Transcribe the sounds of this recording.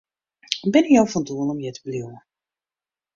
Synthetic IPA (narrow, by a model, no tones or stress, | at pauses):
bɛnɪkjawfɔnduənɔmjɛtə̥bliwə